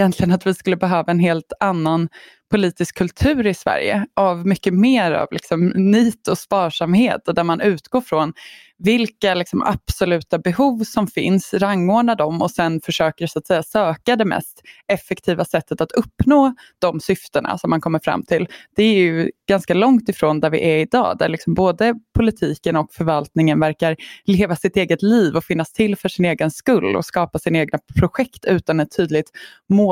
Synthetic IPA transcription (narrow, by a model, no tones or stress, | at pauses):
jɛnt̪ʰlɪɡənat̪vɪskɵlːəbɛɦøːvaɛnɦeːlt̪anːan | pʰʊliːt̪ɪskʰːɵlt̪ʰʉ̟ːɾɪsvæ̰ɾjə̰ʔavmʏkːəmeːɾa̰vlɪ̰ksɔmniːt̪ɔspɑːʂamheːt̪d̪æɾmanʉ̟ːt̪ɡ̥oːɾfɾɔn | vɪlkalɪksɔmʔa̰b̥sɔlʉ̟ːt̪abɛhuːvsɔmfɪ̰nsɾaŋːoːɖɳad̪ɔmɔsɛnfœʂøːkəɾsʊat̪sɛjːasøːkad̪ɛmɛ̰st̪ɛfːɛkt̪ʰiːvasɛt̪ːət̪at̪ʰɵpːnoːd̪̥ɔmsʏft̪əɳa̰sɔmːankʰɔmːəɾfɾa̰mːt̪ʰɪld̪̥ɛæɾjɵɡ̥anskalɔŋt̪ɪfɾoːnd̪æɾvɪ̰ʔæɾɪd̪ɑ̰ːd̪æ̰ɭɪksɔmboːd̪əpʰʊlɪt̪ʰiːkənɔkfœɾvalt̪nɪŋənvæɾkaɾleːvasɪt̪eːɡət̪liːvɔfɪnːast̪ʰɪlfœʂɪneːɡənskɵlːɔ̰skɑːpasɪneːɡnapʰɾʊɧɛkt̪ʰʉ̟ːt̪anɛt̪ʰːyːd̪lɪɡ̚t̪ | moː